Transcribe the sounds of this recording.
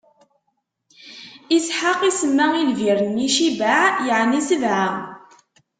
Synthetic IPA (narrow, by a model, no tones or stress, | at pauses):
isħaqisəmːailviɾənːiʃibaʕjəʕnisəvʕa